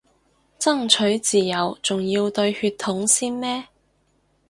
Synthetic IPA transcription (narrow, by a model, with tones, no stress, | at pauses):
t͡sɐ˥˩ŋt͡ʃʰɵ˨˥ɥt͡siː˨jɐ˨˧wt͡sʊ˨ŋjiː˧wt̪ɵ˧ɥhyː˧t̪ʰːʊ˨˥ŋsiː˥nmɛː˥